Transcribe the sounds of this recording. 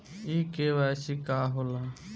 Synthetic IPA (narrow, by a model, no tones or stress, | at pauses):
iːkeːʋaːsiːkaːɦoːlaː